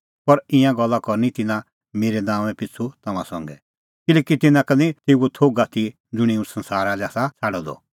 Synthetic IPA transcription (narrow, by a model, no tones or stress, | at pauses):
pɐɾɪ̃jãɡɔlːakɔɾnit̪ɪnã | meːɾenãːmɛ̃pɪt͡sʰut̪ɐmãsɔ̰̃ŋɡɛ̰ | kɪlɛːkit̪ɪnãkɐnĩt̪eːuot̪ʰoːɡat̪ʰi | d͡zʊɽ̃ĩũsɐ̃nsaːɾalaːsat͡sʰaːɽɔd̪ɔ̰